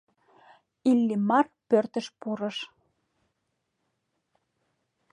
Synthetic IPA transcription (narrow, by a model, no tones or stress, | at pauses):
ilːimɑrpørt̪ə̆ʃpuɾə̆ʃ